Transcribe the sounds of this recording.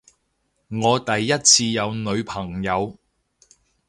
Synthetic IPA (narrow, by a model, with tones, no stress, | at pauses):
ŋɔː˨˧t̪ɐ˨jːɐ˥t̚t͡sʰiː˧jɐ˨˧wnɵ˨˧ɥpʰɐ˨˩ŋjɐ˨˧w